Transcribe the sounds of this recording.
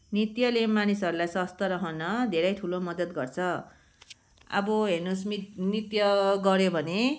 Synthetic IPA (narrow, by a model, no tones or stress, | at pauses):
nit̪jʌlemːanisʌɾulajsʌst̪ʌɾʌɦʌnʌd̪ʱeɾʌjt̪ʰulomʌd̪ʌt̪ɡʌrt͡sʰʌ | ʌ̰bʌɦenusminit̪jʌɡʌɾjobʱʌne